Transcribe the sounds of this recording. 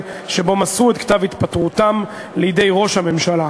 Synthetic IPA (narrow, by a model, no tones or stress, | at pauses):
ʃe̞bo̞masuet̪kt̪avit̪pat̪ʁut̪am | lejde̞jʁo̞ʃhame̞mʃala